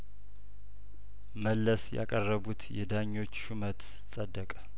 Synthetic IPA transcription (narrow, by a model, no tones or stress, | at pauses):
məlːəsja̰kʼərːəβut̪ʰjɛd̪aɲːo̞t͡ʃːʃumət̪ | sʼəd̪ːəkʼə̥